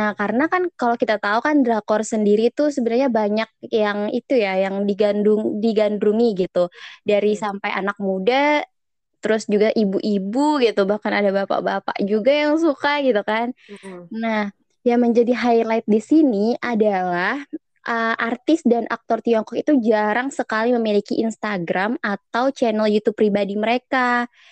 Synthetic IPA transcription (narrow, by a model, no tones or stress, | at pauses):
nahkaɾənakankalokit̪at̪aukandɾakɔrsəndiɾit̪usəbənarɲabaɲak̚jaŋḭt̪ujajaŋdiɡanduŋdiɡanduŋiɡit̪udaɾisampajʔa̰nak̚muda | t̪əɾʊsd͡ʒuɡaʔibuʔibuɡit̪ubahkanadabapa̰ʔbapa̰ʔd͡ʒuɡajaŋsukaɡit̪ukannah | jaŋməɲd͡ʒadiɦajlajt̪̚disiniʔadalah | ʔəʔart̪ɪsdanʔa̰k̚t̪ɔrt̪iɔŋkɔkit̪ud͡ʒaɾaŋsəkaliməmilikiʔinst̪aɡɾamat̪awt͡ʃɛnɛljut̪upːɾibadiməɾeka